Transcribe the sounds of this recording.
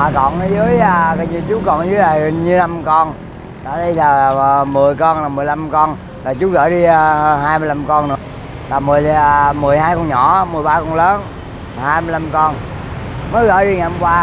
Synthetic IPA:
a˨˩kɔ̰˧˨˩nʔə˨˦zɨ˨˦əja˧ɣə˧˩ɲɨ˧t͡ɕu˨˦kɔ˧˩nzɨ˨˦jlaː˨˩˨ɲɨ˧la˧mkɔ˧n | zaː˧˨˩ɗi˧laː˨˩˨mɨ˨˩əjkɔ˧nlaː˨˩mɨ˨˩əjla˧mkɔ˧n | laː˨˩t͡ɕu˨˦ɣə̰ː˧˩ɗi˧ɦaː˧jm˧jla˧mkɔ˧nnɨ̰˨˩ | laː˨˩mɨ˨˩əjmɨ˨˩əjhaː˧jkɔ˧nɲɔ̰˧˩˦mɨ˨˩əjɓaː˧kɔ˧nləː˨˦n | laː˨˩haː˧jm˧jla˧mkɔ˧n | məː˨˦jɣə̰ː˧˨˩jɗi˧ŋaː˨˩˨mkwaː˧

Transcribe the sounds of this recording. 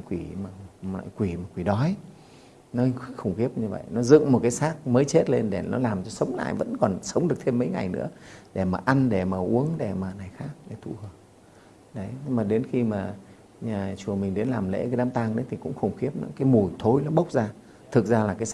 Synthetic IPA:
kwi˧˩maː˨˩la̰ː˧˨jkwi˧˩maː˨˩kwi˧˩ɗɔ˨˦j | nɔ˨˦xə˨˩ŋ͡mxi˦˥əp̚ɲɨ˧və̰˧˨jnɔ˨˦zɨ̰˧˨ŋmo˨˩t̚kaː˨˦jsaː˦˥k̚məː˨˦jt͡ɕe˦˥t̚le˧nɗe˧˩nɔ̰˨˦laː˨˩mt͡ɕɔ˧sə˨˦wŋ͡mla̰ː˧˨jvə̰˧˥nkɔ˨˩nsə˨˦wŋ͡mɗɨ˨˩ək̚t̪ʰe˧mːə̰˧˦jŋa˨˩jnɨ̰˧˥əɗe˧˩maː˨˩ʔa˧nɗe˧˩maː˨˩ʔu˨˦əŋɗe˧˩maː˨˩na˨˩jxaː˦˥k̚ɗe˧˩t̪ʰṵ˧˩həː˨˩p̚ | ɗə˨˦jmaː˨˩ɗe˨˦nxi˧maː˨˩ | ɲaː˨˩t͡ɕu˨˩əmï˨˩ŋ̟ɗe˨˦nlaː˨˩mlḛ˧˥kaː˨˦ɗaː˨˦mt̪aː˧ŋɗə˨˦jt̪ʰi˨˩kʊ̰˧˥ŋ͡mxə˨˩wŋ͡mxi˦˥əp̚nɔ̰˨˦kaː˨˦jmu˨˩jt̪ʰo˨˦jlɔ˨˦ɓə˦˥wk͡p̚zaː˧ | t̪ʰɨ˨˩k̚zaː˧laː˨˩kaː˨˦js

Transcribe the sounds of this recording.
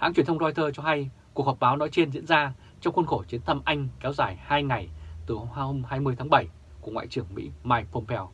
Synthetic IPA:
ha̰ː˧˥ŋt͡ɕwi˧˩ənt̪ə˧ŋ͡mzɔ˧jt̪ʰəː˧t͡ɕɔ˧ɦa˧jku˨˩ək̚hɔ˨˩ɓaː˨˦wnɔ˨˦jt͡ɕe˧nzḭ˧˥ənzaː˧ | t͡ɕɔ˧wŋ͡mxwə˧nxo˧˩t͡ɕi˨˦ənt̪ʰə˧mʔa˧jŋ̟kɛ˨˦wzaː˧˩jhaː˧jŋa˨˩jt̪ɨ˨˩˧o˧mhaː˧jmɨ˧əjt̪ʰa˨˦ŋɓə˧˩j | ku˧˩əŋwa̰ː˧˨t͡ɕɨ˧˩əŋmḭ˧˥maː˧jfo˧mpʰɛ˧w

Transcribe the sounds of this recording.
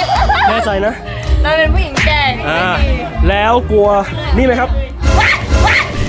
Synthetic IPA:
mɛː˥˩t͡ɕa˧jna˦˥ʔ | nɔ˧pe˧npʰuː˥˩ji˩˦ŋ˥aː˥˩ʔaː˧˩ | lɛː˦˥wku˧ɐ | niː˥˩ma˦˥jkʰa˦˥p̚

